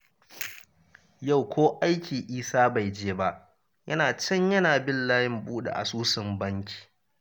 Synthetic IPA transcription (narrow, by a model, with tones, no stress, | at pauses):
ja˦˨wkʷʰoː˦ʔa˦jkʲiː˨ʔiː˦saː˦ba˨jd͡ʒeː˦ba˦ʔ | jɐ˦naː˨t͡ʃɐ˦ɲjɐ˦naː˨bɪ˦llaː˦jɪ˦mbuː˦ɗḛ˨ʔa̰˨suː˦sɪ˨mbɐ˦ŋkʲʰi̥ː˨